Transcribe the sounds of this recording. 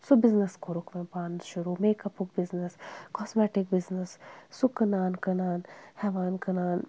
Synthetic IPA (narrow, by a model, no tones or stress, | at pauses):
subiznɐskoɾukmẽpaːnd̪ʃuɾumeːkɐpuk̚biznɐskɔːsmɛːʈik̚biznɐsːukɐnaːnkɐnaːnhɛʋaːnkɐnaːn